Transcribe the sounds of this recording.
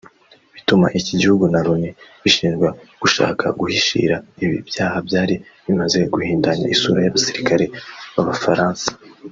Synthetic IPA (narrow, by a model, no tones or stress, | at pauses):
βituma̰ʔiciɟihuɡunaɾuneβiʃiːnzɡweɡ̥uʃa̰ːkʰa̰ɡuhiʃḭːɾaiβḭbjaːhabjaːɾiβimaze̞ɡuhiːndaɲa̰ʔisuːɾajaβasiɾikaɾe̞βaβafaɾaːnsḁ